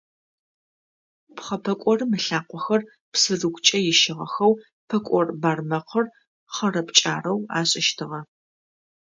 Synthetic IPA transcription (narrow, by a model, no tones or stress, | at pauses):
pχɐpʰɐkʷʼɔrɨmɨɬaːqʷɔxɐr | psɨrɨkʷʼt͡ʃʼɐjɪʃɪʁɐ̰xɐw | pʰɐkʷʼɔrbaːrmɐqʰər | χɐrɐpt͡ʃʼa̰ːrɐwa̰ːɕʼɪʃtʰɨʁɐ